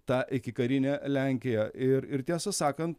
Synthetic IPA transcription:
t̪ɑːʔɪkʲɪkɐɾʲɪnʲɛːlʲæˑŋʲkʲɪjɛʔɪɾɪɾt̪ʲiɛsɐsɑːkɐnt̪̚

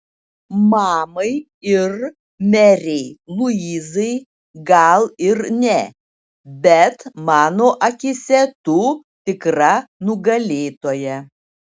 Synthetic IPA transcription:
mɑːmɐɪ | ɪɾ | mʲɛɾʲɛɪlˠʊiːzɐɪ | ɡɐlˠɪɾnʲɛ | bʲɛt̪mɑːnoːʔɐkʲɪsʲɛt̪uː | t̪ʲɪkɾɐnʊɡɐlʲeːt̪oːjɛ

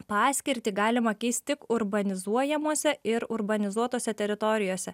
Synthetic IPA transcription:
pɑːsʲkʲɪɾʲt̪ʲiːɡɑːlʲɪmɐkʲɛɪst̪ʲt̪ʲɪkʊɾbɐnʲɪzuɔjɛmuɔsʲɛɪɾʊɾbɐnʲɪzuɔt̪oːsʲɛt̪ʲɛɾʲɪt̪ɔɾʲɪjoːsʲɛ

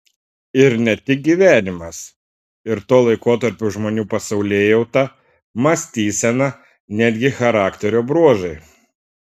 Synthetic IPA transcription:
ɪɾnʲɛt̪ʲɪk̚ɡʲiːʋʲæːnʲɪmɐs | ɪɾt̪oːlˠɐɪkoːt̪ɐɾʲpʲʊʒmoːnʲuːpɐsɒʊlʲeːjɛʊt̪ɐ | mɐsʲt̪ʲiːsʲɛnɐ | nʲæːd̪ʲɡʲɪxɐɾɑːkt̪ʲɛɾʲoːbɾuɔʒɐɪ

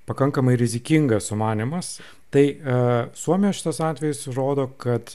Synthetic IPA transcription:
pɐkɐŋkɐmɐɪɾʲɪzʲɪkʲɪŋɡɐssʊmɑːnʲɪmɐs | t̪ɐɪsuɔmʲɪjɛʃʲɪ̥t̪ɐsɑːt̪ʲʋʲɛjɪsɾoːd̪oːkɐt̪

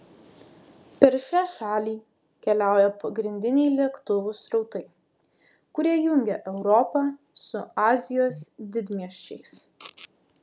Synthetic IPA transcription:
pʲɛɾʃʲæːʃɑːlʲiː | kʲɛlʲæˑʊjɛpɐɡɾʲɪnʲd̪ʲɪnʲɛɪlʲiɛkt̪ʊʋʊsɾɒʊt̪ɐɪ | kʊɾʲiɛjʊŋʲɡʲɛʔɛʊɾɔpɑː | sʊɑːzʲɪjoːsd̪ʲɪd̪ʲmʲiɛʃʲt͡ʃʲɛɪs

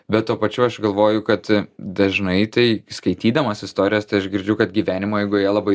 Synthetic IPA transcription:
bʲɛt̪t̪ːuːpɐt͡ʃʲʊɐʃɡɐlˠʋoːjʊkɐt̪d̪ɐʒnɐɪt̪ɐɪskɐɪt̪ʲiːd̪ɐmɐsɪst̪oːɾʲɪjoːst̪ɐɪɐʃɡʲɪɾʲd͡ʒʲʊkɐt̪̚ɡʲiːʋʲæːnʲɪmoːjɛɪɡʊjiɛlˠɐbɐɪ

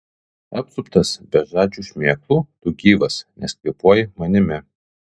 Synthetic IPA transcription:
ɐpsʊpt̪ɐsbʲɛʒɑːd͡ʒʲuːʃʲmʲeːklˠuːt̪ʊɡʲiːʋɐsnʲɛsʲkʲʋʲepuɔjɪmɐnʲɪmʲɛ

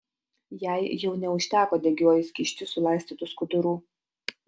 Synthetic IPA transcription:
jæˑɪjɛʊnʲɛʊʃʲt̪ʲæːkoːd̪ʲɛɡʲoɔjɪsʲkʲiːʃʲt͡ʃʲʊsʊlˠɑɪsʲt̪ʲiːt̪ʊskʊd̪ʊɾuː

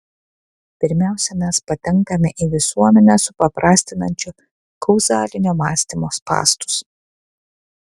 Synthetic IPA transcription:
pʲɪɾʲmʲæˑʊsʲɛmʲæspɐt̪ʲɛŋˑkɐmʲɛʔiʋʲɪsuɔmʲɛnʲɛsʊpɐpɾʔɑːsʲt̪ʲɪnɐnʲt͡ʃʲʊ | kɒʊzɑːlʲɪnʲoːmɑːsʲt̪ʲimoːspɑ̰ːst̪ʊ̥s

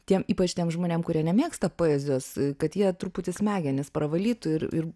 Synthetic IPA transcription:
t̪ʲiɛmiːpɐt͡ʃʲt̪ʲiɛmʒmoːnʲeːmkʊɾʲiɛnʲɛmʲeːkst̪ɐpoːjɛzʲoːskɐt̪jiɛt̪ɾuːpʊt̪ʲɪsmʲæːɡʲɛnʲɪspɾɐʋɐlʲiːt̪ʊɪɾɪ̰r

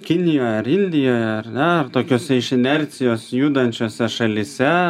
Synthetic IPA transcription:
kʲɪnʲɪjoːjɐɾɪnʲd̪ʲɪjoːjɛɐɾnʲɛɐrt̪oːkʲoːsʲɛɪʃɪnʲɛɾʲt̪sʲɪjoːsjuːd̪ɐnʲt͡ʃʲoːsʲɛʃɐlʲiːsʲɛ

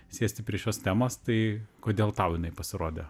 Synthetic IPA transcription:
sʲeːsʲt̪ʲɪpʲɾʲiɛʃʲoːst̪ʲæːmost̪ɐɪkoːd̪ʲeːlˠt̪ɐʊjɪnɐɪpɐsʲɪɾoːd̪ʲe

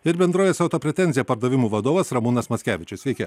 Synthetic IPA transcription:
ɪɾbʲɛnd̪ɾoːʋʲeːsɐʊt̪oːpʲɾʲɛt̪ʲɛnʲzʲɪjɛpɐɾd̪ɐʋʲɪmuːʋɐd̪oːʋɐsɾɐmunɐsmɐtsʲkʲæːʋʲɪt͡ʃʲɪsʋʲɛɪkʲɛ

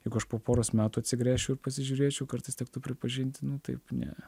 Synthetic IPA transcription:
jɛɪɡʊɐʃpoːpoːɾoːsmʲæːt̪uːɐt̪ʲsʲɪɡɾʲæːʃʲt͡ʃɛʊɪɾpɐsʲɪʒʲuːɾʲeːt͡ʃʲɛʊkɐrt̪ɐɪstʲɛk̚t̪ʊpʲɾʲɪpɐʒʲɪnʲt̪ʲnʊt̪ɐ̰ɪpnʲɛ̰

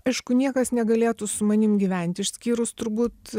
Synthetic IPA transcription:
ɐɪʃkʊnʲiɛkɐsnʲɛɡɐlʲeːt̪ʊsʊmɐnʲɪmɡʲiʋʲɛnʲt̪ʲɪʃʲsʲkʲiːɾʊst̪ʊɾbuːt̪

